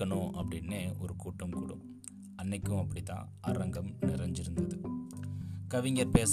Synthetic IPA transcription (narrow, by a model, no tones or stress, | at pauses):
ɐɳõːʔɐpːɐɽɪnːeːʔɔɾɯkuːʈːɐmkṵːɽɯ̰̃m | ɐnːɐɪkːɯ̃ɐpːɐɽɪt̪ːã̰ː | ɐɾɐŋɡɐmnɪɾɐɲd͡ʒɪɾɯnd̪ɐðɯ | kɐʋɪŋɡɐɾpeːs